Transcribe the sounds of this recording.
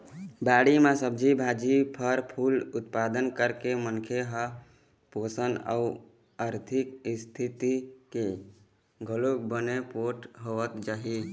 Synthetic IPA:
baɽimãsəbd͡ʒibʱad͡ʒipʰəɾpʰulut̪pad̪ənkəɾkemənkʰeɦə | posəna̰u | əɾt̪ʰikst̪ʰit̪ike | ɡʱəlok̚bənepoʈɦoət̪d͡ʒaɦi

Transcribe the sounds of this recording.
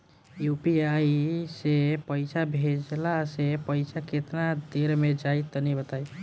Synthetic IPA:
jupiaisepəjsʰabʱed͡ʒlasepəjsʰaket̪nad̪eɾmed͡ʒajt̪ɔnɛbət̪aj

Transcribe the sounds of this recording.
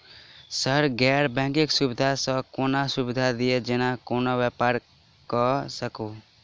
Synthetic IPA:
səɾɡɛɾbɛ̃ŋkeksubɪd̪ʱasə̃koːnasubɪd̪ʱad̪ied͡ʒenakoːnaʋjɛpaːɾ | kɔsəko

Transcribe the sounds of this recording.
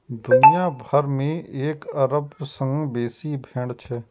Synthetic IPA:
d̪ʊnijaːbʱəɾmẽeːkɐɾəbsə̃ŋɡbeːsibʱeːɽt͡ʃʰɛ

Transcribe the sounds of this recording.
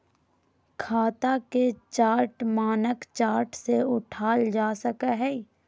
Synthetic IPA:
kʰaːt̪aket͡ʃaːɾʈmaːnəkt͡ʃaːɾʈseʊʈʰaːld͡ʒaːsəkaɦɛ

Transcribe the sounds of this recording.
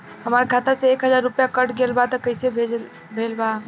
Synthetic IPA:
həmaɾkʰat̪aseekɦəd͡ʒaɾːupjakəʈɡelbat̪ɔkəɪsebʱed͡ʒ | bʱelba

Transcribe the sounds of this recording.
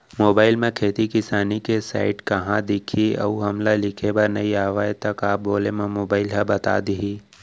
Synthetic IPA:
moːbaːɪlmẽkʰeːt̪ikɪsaːnikesa̰ːɪʈkɐɦãd̪ɪkʰiɐ̰uɦɐmlalɪkʰebɐɾnɐɦiaːʋaːet̪ɐkaːp̚boːlemẽmoːbaːɪlɦɛbɐt̪a̰ːd̪iɦiː

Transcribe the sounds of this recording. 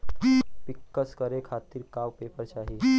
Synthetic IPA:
pikːəskəɾekʰat̪iːɾkawpepəɾt͡ʃaɦi

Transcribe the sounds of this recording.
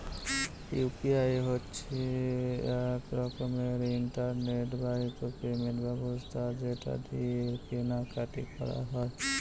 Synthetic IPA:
jupiajɦotːt͡ʃʰi | ekɾɔkɔmeɾiɳʈaɾneʈbaɦit̪opemẽʈbʱabost̪ʰad͡ʒeʈa̰d̪ʱipenakaʈḭkɔ̰ɾa̰ɦɔe

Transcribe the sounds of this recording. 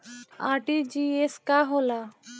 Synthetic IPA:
aːɾʈid͡ʒiːeskaɦola

